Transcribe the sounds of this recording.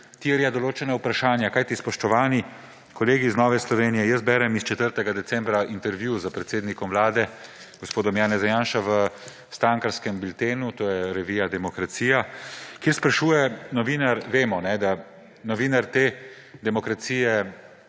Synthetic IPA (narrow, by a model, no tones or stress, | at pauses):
t̪iɛɾjad̪ɔloːt͡ʃɛnaupɾaʃaːnjakaːjt̪ispɔʃt̪ɔʋaːni | kɔleːɡiznɔːʋɛslɔʋeːnijɛjəsbɛɾɛmist͡ʃɛt̪əɾt̪ɛɡad̪ɛt̪sɛmbɾaʔint̪ɛɾʋjuzəpɾɛt̪seːd̪nikɔmʋlaːd̪ɛ | ɡ̥ospoːd̪ɔmjaːnɛzajaːnʃaʋə | st̪aŋkaɾskɛmbilt̪eːnut̪oːjɛɾɛʋijad̪ɛmɔkɾat̪siːjakjeɾspɾaʃuːjɛnɔʋiːnaɾʋeːmɔnɛd̪a | nɔʋiːnaɾt̪eː | d̪ɛmɔkɾat̪siːjɛ